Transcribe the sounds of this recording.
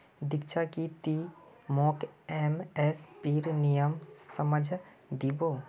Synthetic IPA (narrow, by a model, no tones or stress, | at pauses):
d̪ɪkt͡ʃakit̪i | mɔːkemɛspiːɾnijəmsəməd͡ʒʱ | d̪iːboː